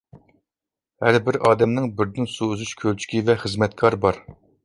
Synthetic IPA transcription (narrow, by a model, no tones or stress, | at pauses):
hæɾbɪɾɑːd̪ɛmnɪŋbɪɾd̪ɪnsuːzyʃkʲʰølt͡ʃʰy̥kʲivɛχəzmɛt̪̚kʰɑɾbɑɾ